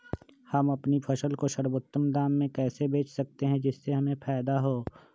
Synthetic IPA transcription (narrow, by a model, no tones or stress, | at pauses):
hɐmɐpnipʰɐʃəlkoʃəɾwoːt̪ːəmd̪aːmːẽkɛːsebeːt͡ʃʰsɐk̚t̪eɦɛ̃d͡ʒɪsːeɦɐmẽpʰɛːd̪aɦoː